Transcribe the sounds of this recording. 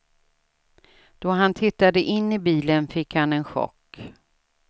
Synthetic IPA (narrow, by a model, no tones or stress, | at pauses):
d̪̥ɔɦant̪ʰɪt̪ːad̪əʔɪnːɪbiːlənfɪkhanɛnɧɔ̰kː